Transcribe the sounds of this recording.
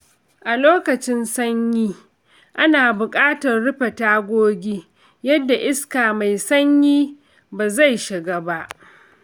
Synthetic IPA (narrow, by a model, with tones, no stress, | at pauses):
ʔa˨loː˦kɐ˨t͡ʃɪ˦nsɐ˦ɲjiː˦ | ʔa˦naː˨bʊ˨kʼaː˦tɐ˨rɽʊ˦ɸe˨taː˦ɡʷoː˦ɡʲiː˦ | jɐ˦dːa˨ʔɪ˦skaː˨ma˨jsɐ˦ɲjiː˦ | baː˨za˦˨jʃɪ˨ɡaː˦ba˦ʔ